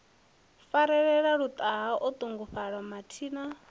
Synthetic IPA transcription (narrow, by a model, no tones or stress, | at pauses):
faɾɛɺɛɺaɺut̪ʼaɦaʔut̪ʼuŋɡuɸaɺɔmatʰiːna